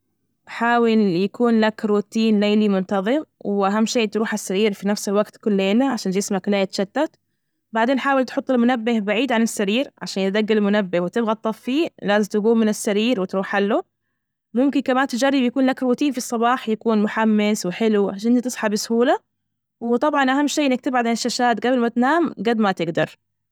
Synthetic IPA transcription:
ħaːwɪljakuːnlakɾuːt̪iːnlajlimʊnt̪ɑðˤɨmwʔaɦamːʃeːt̪ɾuːħasːaɾiːɾfinafsɪlwaɡt̪kʊlːeːnaʕaʃaːnɪsmaklaːjɪt̪ʃat̪ːat̪ | baʕd̪eːnħaːwɪlt̪ħʊt̪ˤːɪlmʊnabːɪhbaʕiːd̪ʕanɪsːaɾiːɾʕa̰ʃaːnjt̪̚d̪aɡːalɪlmʊnabːɪhwɪt̪ɪbɣɑt̪ˤːɑffiːlaːzɪmt̪ɪɡuːmɪnɪsːaɾiːɾwɪt̪ɾuːħħalːu | mʊmkɪnkamaːnt̪ɪd͡ʒarːɪbjakuːnlakwʊt̪iːlfisˤːɑbɑːħjakuːnmʊħamːɪswɪħɪluʕaʃanʔɪnt̪it̪ɨsˤħɑbɪsʊhuːla | wɪt̪ˤɑbʕɑnʔaɦamːʃeːʔɪnːak̚t̪ɪbʕad̪ʕɪnɪʃːaʃaːt̪ɡabɪlmat̪naːmɡad̪mat̪ɪɡd̪ɑ̰ɾˤ

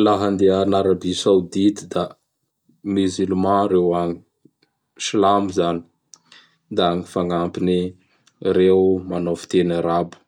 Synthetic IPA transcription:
laɦand̪eanaɾabisawd̪it̪id̪a | mizylmãɾewaŋi | slamizani̥ | d̪aaŋifaŋampini | rewmanovu̥t̪enaɾabu̥

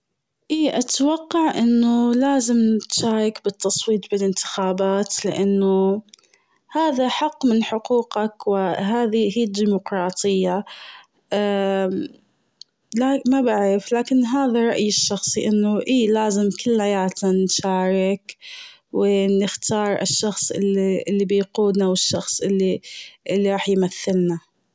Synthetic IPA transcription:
ʔiːʔat̪wɑqːɑʕʔɪnːʊlaːzɪmt̪ʃaːɾˤɑkbɪt̪ʰːɑsˤwiːt̪̚ˤbɪlɪnt̪ɪ̥xaːbaːt̪lɪ̰ʔanːʊ | haːðaħɑqːmɪnħʊquːqɑkwɪɦaːðihiːd̪ːiːmʊqɾˤɑːt̪ˤʰɨjːa | lamabaʕɾɪflaːkɪnɦaːðaɾˤɑʔjɪʃːɑxsˤiʔanːʊʔiːlaːzɪmkɪlːhajaːt̪nanʃaːɾˤɪk | wɪnɪxt̪ɑːɾˤʔɪ̰ʃːɑxsˤʔɪ̰iʔɪlːibɪjquːd̪nawɪʃːɑxsˤʔɪlːiʔɪlːiɾˤɑːħjmaθːɪlna

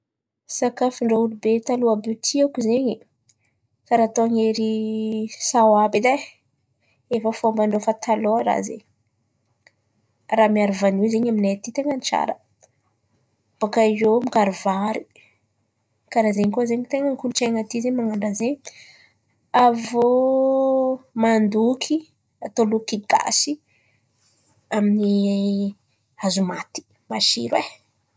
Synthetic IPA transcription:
sakafiɳɖ͡ʐoulubet̪aluabit̪ʰiakuzeɲi | kaɾat̪oŋeɾi | sawabid̪a | efəfombaɳɖ͡ʐofat̪ʰaloɾa̰zḛɲ | ramiaɾivanizeɲaminat̪it̪eŋənt͡ʃa̰ɾə | b̥okaiomikaɾuvaɾi | kaɾazeɲkozeɲt̪eŋəŋikuluʈ͡ʂeŋat̪izeɲmaŋaɳɖ͡ʐazeɲ | avo | mand̪ukʰi | at̪olukiɡa̰si | amini | azumat̪i̥ | maʃḭɾwe

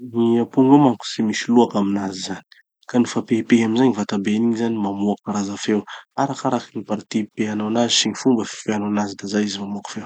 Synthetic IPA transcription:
niapuŋɡamaŋku̥simisiluakaminazizani̥ | kanufapepeɦaminzaɲivat̪abeniɲzanimamuakaɾazafewaɾakaɾakinipaɾit̪ipeanawnazisiɲifumbəfi̥feanawnazid̪azaizimamuakḁfew

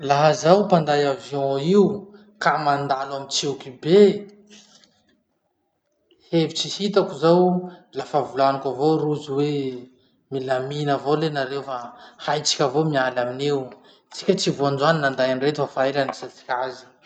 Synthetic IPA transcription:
laɦazawpand̪ajavjɔ̃iu | kamand̪alamit͡sewkibe | hevit͡sihit̪akuzawlafavulanakavoɾuziwe | milaminavolenaɾewfahajt͡si̥kʲavomialaminew | t͡si̥kʲət͡sivuand͡ʒaninand̪ajanret̪ufafaelanisat͡si̥kʲazi̥

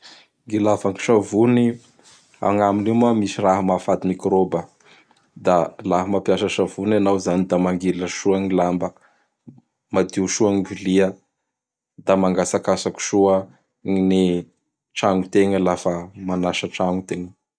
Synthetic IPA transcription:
ŋɡilafaŋi̥ʃavuni | a̰ŋaminimuamisiraɦəmafad̪imikɾobə | d̪alaɦəmapjasəʃavunanawzanid̪amaŋɡiləʃuaŋilambə | mad̪iʃuaŋiviliə | d̪amaŋɡasakasaku̥ʃuə | ŋine | ʈ͡ʂaŋɡut̪eŋəlafəmanaʃəʈ͡ʂaŋut̪eŋə

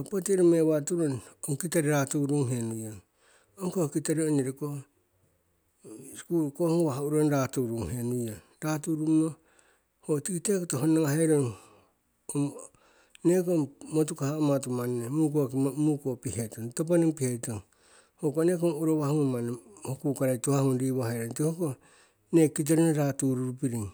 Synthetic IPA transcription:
opotiɾomeβatuɾonoŋkitaɾiɾatuɾuŋɦenujaŋ | oŋkohkitaɾioniɾiko | kuɾkohoŋwaɦuɾonɾatuɾuŋhenuja | ɾatuɾumo | hotikitekotoɦonaŋaheɾoŋ | om | nekomot̬ukahaomatumanːemuk̬okmukopihetontop̬aniŋpihetoŋ | hokonek̬oŋuɾoβahuŋmanehokukaɾajtohahunɾiβoheɾontihoko | nekit̬eɾineɾatuɾuɾupiɾiŋ

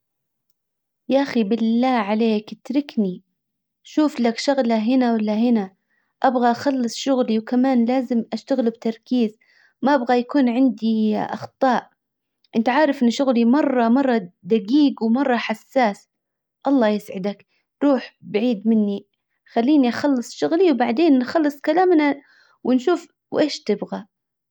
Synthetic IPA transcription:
jaʔaxibɪlːaːʕaleːkʔɪt̪ɾɪkni | ʃuːflakʃaɣlaɦɪnawalːaɦɪna | ʔabɣaʔaxɑlːɨsˤʃʊɣliwkamaːnlaːzɪmʔaʃt̪aɣɪlbt̪ɑɾˤkiːz | maʔabɣajakuːnʕɪnd̪iʔɑ̰xt̪ˤɑːʔ | ʔɪnt̪aʕaːɾˤɑfʔɪnːʃʊɣlimɑrˤːɑmɑrˤːɑd̪aɡiːɡwmɑrˤːɑħasːaːs | ʔɑlˤːɑːjɪsʕɪd̪ak | ɾˤuːħbɪʕiːd̪mɪnːi | xalːiːniʔaxɑlːɨsˤʃʊɣliwbaʕd̪eːnːxɑlːɨsˤkalaːmna | wʔɪnʃuːf | wʔeːʃt̪ɪbɣa

